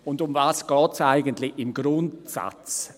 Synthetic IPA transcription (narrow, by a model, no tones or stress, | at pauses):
ʊndʊmvaːsɡ̥ɔːtsaɪɡəntlɪçɪmɡɾʊntsa̰t͡s